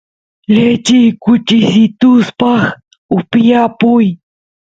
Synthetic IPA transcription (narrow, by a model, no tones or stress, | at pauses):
ʎet͡ʃɪjkʊt͡ʃɪsɪt̪ʊspɑχ | ʊpjapʊj